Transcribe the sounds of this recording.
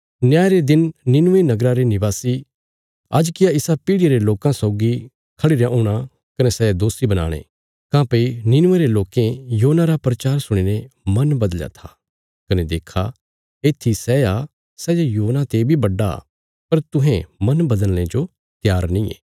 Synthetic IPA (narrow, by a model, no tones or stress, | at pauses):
njaːjɾed̪ɪnnɪnʊʋenɐɡɾãɾenɪbaːsi | ɐ̰d͡ʒkɪjaɪsapiːɽɪeɾeloːkãsɔːɡi | kʰɐɽiɾjaʔuːɽ̃a | kɐnɛsɛjad̪oːsibɐna̰ːɽ̃ḛ | kãːpeinɪnʊʋeɾeloːkẽjoːnaɾapɾɐt͡ʃaːɾsʊɽ̃inemɐnbɐd̪əlja̰t̪ʰḁ | kɐned̪eːkʰa | eːt̪ʰisɛːa | sɛːjajuːnãt̪ebʱibɐɖːa̰ | pɐɾt̪ʊ̃ɦẽmɐnbɐd̪əl̃ːẽd͡ʒo | t̪jaːɾnĩːḛː